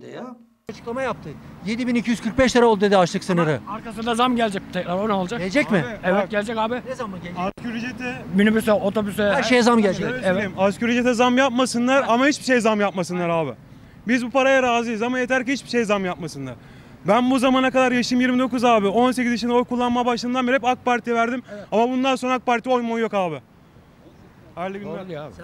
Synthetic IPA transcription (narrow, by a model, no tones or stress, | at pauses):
d̪ja | at͡ʃʰɯ̥klˠamajap̚t̪ʰɯje̞d̪ibinicʰijyz̥kʰɯɾk̚bɛʃt̪aɾaolˠd̪ud̪ed̪iat͡ʃlˠɯksɯnɯɾɯaɾkasɯnd̪azamɟælʲd͡ʒɛc̚t̪ʰɛcɾaɾonɛolˠad͡ʒakld͡ʒɛcmɪɛvɛt̪̚ɟɛlʲed͡ʒɛcaːbɪamaskyɾid͡ʒet̪ʰɛmynybysɛot̪ʰobysɛʃejzamɟɛlʲd͡ʒɛvejimascyɾid͡ʒet̪ʰɛzamjap̚masɯnlˠaɾamahit͡ʃbiʃejzamjap̚masɯnlˠaɾaːbɪ | bizbupʰaɾajaɾaːzɯjɯzamajet̪ʰæɾcihit͡ʃbiʃe̞jzamjap̚masɯnlˠa̰ɾ̥ | bænbuzamaːnakad̪aɾjaʃɯjɯmjiɾmid̪o̞kuzaːbɪo̞ns̬e̞ciziʃ̬inɛo̞jkʰulˠːanmabaʃlˠɯnd̪anbiɾhɛpak̚paɾt̪ʰivæɾd̪imamabund̪anso̞nɾaak̚paɾt̪ʰio̞jmojo̞kaːbɪ | halʲiiaː